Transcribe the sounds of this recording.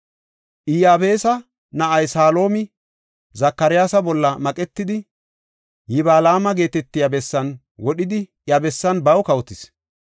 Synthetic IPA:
ʔɪjaːbe̞ːsɐ | nɐʔɐjsaːlo̞ːmɪ | zɐkːɐɾɪjaːsɐbɔlːɐmɐkʼɛt̪ːɪd̪ɪ | jɪbaːlaːmɐɡe̞ːt̪ɛt̪ːɪjɐbɛsːɐn | wɔɗɪd̪ɪjɐbɛsːɐnbɐwkɐwt̪ɪs

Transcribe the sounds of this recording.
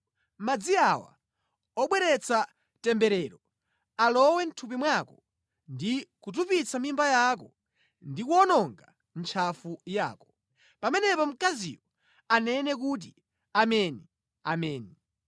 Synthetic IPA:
mad͡ziawa̰ | ɔɓwɛɾɛt͡sʰa | tɛmbɛɾɛːɾɔ | alɔwɛn̩tʰup̬imwakɔ | ndikut̬upit͡sʰamimbajak̬ɔ | ndikwɔnɔŋɡa | n̩t͡ʃʰafuja̰ːkɔ̥ | pamɛnɛpɔm̩kazḭwɔ | anɛnɛk̬ut̬i | amɛni | amɛːni

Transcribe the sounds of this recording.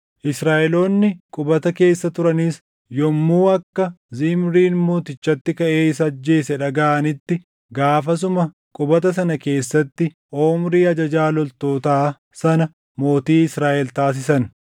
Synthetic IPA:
ʔɪsɾaːʔɛlo̞ːnːɪkʼʊbɐt̪ɐke̞ːsːɐt̪ʊɾɐniːs | jɔmːuːɐkːɐzɪmɾiːnmoːt̪ɪt͡ʃːɐt̪ːɪkɐʔe̞ːɪs̬ɐd͡ʒːe̞ːsɛᶑɐɡaːʔɐnɪt̪ːɪ | ɡaːfɐs̬ʊmɐ | kʼʊbɐt̪ɐs̬ɐnɐke̞ːsːɐt̪ːɪ | ʔo̞ːmɾiːɐd͡ʒɐd͡ʒaːlɔlt̪o̞ːt̪aː | sɐnɐ | mo̞ːt̪iːɪsɾaːʔɛlt̪aːs̬ɪsɐn

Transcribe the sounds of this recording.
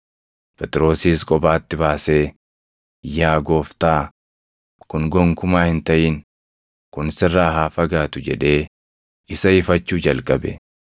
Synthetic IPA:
pʰɛt̪ʼɪɾo̞ːsiːskʼɔbaːt̪ːɪbaːse̞ː | jaːɡo̞ːft̪aː | kʊŋɡɔŋkʊmaːhɪnt̪ɐʔiːn | kʊnsɪrːaːɦaːfɐɡaːt̪ʊd͡ʒɛ̰ᶑe̞ː | ɪsɐɪfɐt͡ʃːuːd͡ʒɐlkʼɐbɛ̰

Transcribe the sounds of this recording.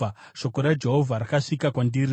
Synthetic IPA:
a | ʃo̞koɾad͡ʒe̞ɦo̞vʱaɾakaʂikakwandiri

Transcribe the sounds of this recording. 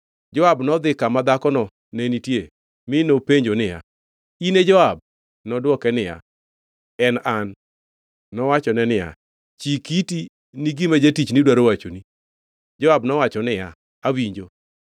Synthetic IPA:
d͡ʒɔabnɔd̪ɪkamad̪akɔnɔ | nenitje | mɪnopeɲd͡ʒonɪja̰ | ined͡ʒɔab̚ | nɔdwɔkɛnɪja̰ | ɛnanː | ɔwat͡ʃɔnɛnɪja̰ | t͡ʃikiti | niɡimad͡ʒetit͡ʃnɪdwaɾowat͡ʃoni | d͡ʒɔabnɔwat͡ʃɔnɪja | awiɲd͡ʒo

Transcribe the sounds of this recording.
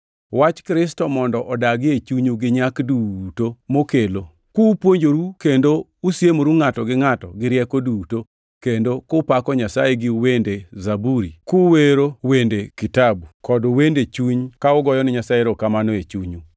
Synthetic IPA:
wat͡ʃkɾɪstɔmɔndɔʔɔdaɡɪet͡ʃuɲuɡɪɲakdutomokelo | kupwoɲd͡ʒoɾukendousjemoɾuŋatɔɡɪŋatɔɡɪɾjɛkoduto | kendokʊpakɔɲasajeɡɪwendezabuɾikuweɾowendekitabukɔdwendet͡ʃuɲkaʊɡɔjɔnɪɲasaeɾokamanoet͡ʃuɲu

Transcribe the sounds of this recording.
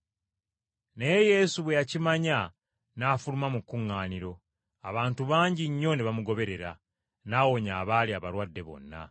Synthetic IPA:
ne̞je̞suβwe̞jacimaɲa | naːfulumamukːuŋːaːniɾo̞ | aβaːntuβaːɲɟiɲːo̞neβamuɡo̞βe̞ɾe̞ɾa̰ | naːwo̞ɲaːβaːliaβaɾwadːe̞βo̞̰nːa̰

